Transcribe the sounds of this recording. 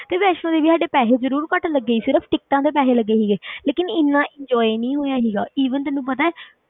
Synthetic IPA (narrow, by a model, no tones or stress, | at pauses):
t̪eːʋɛːʃnõːd̪eːʋiːsaːɖeːpɛːɦeːzəɾuːɾkəʈləɡːeiːsɪɾəpʰʈɪk̚ʈãːd̪eːpɛːɦeːləɡːeːɦiːɡeːleːkɪnɪnːãːʔɪ̃ɲd͡ʒɔːinĩːɦoːjãːɦiːɡa̰ːiːʋənt̪ɛ̃ːnːũːp̬ət̪aːɛː